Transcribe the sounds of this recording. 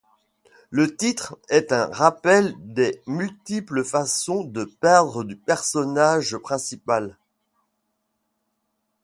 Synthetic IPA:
lət̪it̪χɛt̪ɛ̃ʁapɛld̪ɛmylt̪ipləfasɔ̃d̪əpɛʁd̪ʁəd̪ypɛʁsɔnaʒpχɛ̃sipal

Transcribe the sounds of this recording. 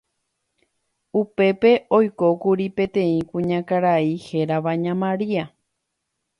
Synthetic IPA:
upe̞pe̞ʔo̞jko̞kuɾipẽ̞t̪ẽ̞ĩkũɲãkaɾaihe̞ɾaʋaɲãmãɾia

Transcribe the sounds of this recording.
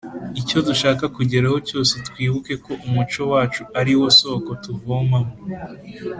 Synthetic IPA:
ico̞duʃaːkakuɟeɾaho̞co̞ːse̞tkwiːβuke̞ko̞ʔumut͡ʃo̞waːt͡ʃuaɾiwoso̞ːko̞tuvomamo

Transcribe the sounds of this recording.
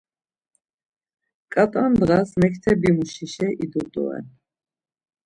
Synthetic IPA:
kʼat̪ʼand̪ɣasmɛkʰt̪ʰɛbimuʃiʃɛʔid̪ut̪ʼṵɛ̰n

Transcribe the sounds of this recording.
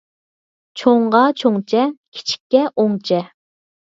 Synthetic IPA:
t͡ʃʰoɴʁɑt͡ʃʰoŋt͡ʃʰɛkʲʰi̥t͡ʃʰi̥kʲːɛʔoŋt͡ʃʰɛ

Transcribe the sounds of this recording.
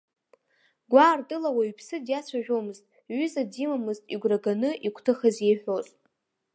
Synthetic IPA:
ɡʷaːrtʼɨlawaɥpʰsɨdjat͡sʷʰaʒᶣomɨztʼ | ɥʏzadimamɨztʼiɡʷraɡanɨʔikʷʰtʰɨχazejħʷᶣozʼ

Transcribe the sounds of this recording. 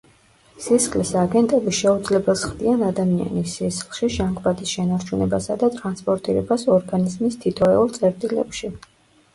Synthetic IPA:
sisχʰʼlisaɡɛnt̪ʼɛbiʃɛud̪zlɛbɛlˠsχd̪ianad̪amia̰nisisχlˠʃiʒaŋkʼvad̪isʃɛnaɾt͡ʃʰunɛbasad̪at̪ʼɾanspʼɔɾt̪ʼiɾɛbasɔɾɡanizmist̪ʰit̪ʰɔɛulˠt̪sʼɛɾt̪ʼilɛ̰pʃi

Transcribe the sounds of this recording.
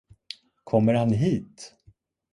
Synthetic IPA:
kʰɔmːəɾhanɦiːt̪

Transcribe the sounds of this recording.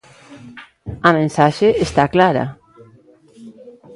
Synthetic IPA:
amẽnsaʃeest̪aklaɾa̰

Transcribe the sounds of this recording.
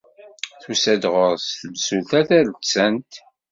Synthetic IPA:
θusæd̪ʁoʁsθəlsulθæθælət͡sːænt̪

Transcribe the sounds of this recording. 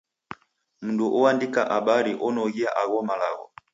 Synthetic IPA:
munduʔɔwandikaʔaɓaɾiʔɔnɔɣiaʔaɣɔmalaɣɔ̰

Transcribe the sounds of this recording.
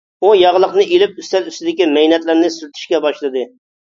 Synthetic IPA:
ujɑʁlˠəqnɨelɪp̚yst̪ɛlyst̪ɪd̪ɪkʲimɛjnɛt̪lɪɾnɪsyɾyt̪ʰy̥ʃkʲɛbɑʃlˠɨd̪ɨ

